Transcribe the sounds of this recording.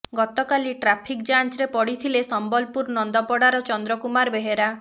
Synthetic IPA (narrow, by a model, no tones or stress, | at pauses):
ɡɔt̪ɔkaliʈɾapʰikd͡ʒant͡ʃɾepɔɽit̪ʰilesɔmbɔlpuɾnɔnd̪ɔpɔɽaɾɔt͡ʃɔnd̪ɾɔkumaɾbeɦeɾa